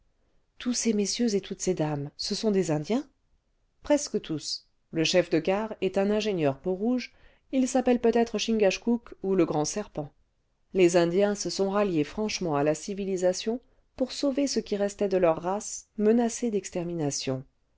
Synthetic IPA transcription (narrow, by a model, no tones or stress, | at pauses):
t̪ʰusemesjøzet̪ʰut̪sed̪amsəsɔ̃d̪ezɛ̃d̪jɛ̃ | pχɛskət̪ʰus | ləʃɛfd̪əɡaʁɛt̪ɛ̃nɛ̃ʒeɲjœʁpoʁuʒ | ilsapɛlpøt̪ɛt̪χəʃĩŋɡaʃkukuləɡʁɑ̃sɛʁpɑ̃ | lezɛ̃d̪jɛ̃səsɔ̃ʁaljefχɑ̃ʃmɑ̃alasivilizasjɔ̃ | puʁsovesəkʲiʁɛst̪ɛd̪əlœʁːasmənased̪ɛkst̪ɛʁminasjɔ̃